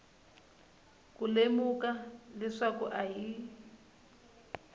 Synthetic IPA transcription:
kulemukalɛʂakuʔaɦi

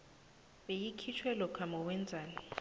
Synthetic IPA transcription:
ɓejikʰit͡ʃʰwɛlɔkʰamɔwɛnd͡zʱaːni

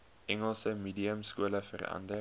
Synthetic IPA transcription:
ʔɛŋəlsəmiːdiəmskuələfərɐ̰ndə

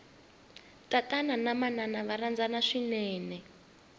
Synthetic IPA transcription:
tatananamananaβarand͡zanaʂinɛːnɛ

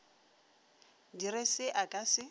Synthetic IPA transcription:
dirɪsɪʔakʼasɪ

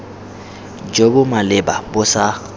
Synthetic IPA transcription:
d͡ʒobʊmalɪbabʊsa

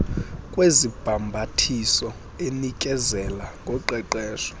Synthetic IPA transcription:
kʼwezib̥ʱambʱatʰisɔ | enikʼɛzɛlaŋʱɔǃɛǃɛːʃɔ̥

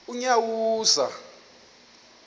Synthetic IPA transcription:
uɲawuːza̰

